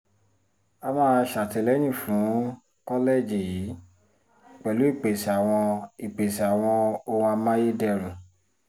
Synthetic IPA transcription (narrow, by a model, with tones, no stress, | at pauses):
a˧mãː˦˧ʃa˨tɛ˧˨lɛ˨˦ñĩ˦˨fũ˨˦ | kɔ˦le˦˨d͡ʒi˨ji˨˦ | k͡pɛ˨lu˨˦i˦˨k͡pe˨sa˨w̃ɔ̃˧i˨k͡pe˨si˨a˨w̃ɔ̃˧õ˧a˧mã˦je˦dɛ˧ɾ̃ũ˨